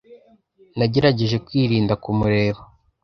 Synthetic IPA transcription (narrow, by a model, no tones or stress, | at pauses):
naɟe̞ɾaɟe̞ʒe̞kwiːɾiːndakumuɾe̞βo